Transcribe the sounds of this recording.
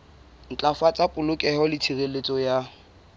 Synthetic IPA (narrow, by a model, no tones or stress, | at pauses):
n̩t͡ɬʼafat͡sʼapʼʊlʊkʼɛhɔlɪt͡sʰirelet͡sʼɔja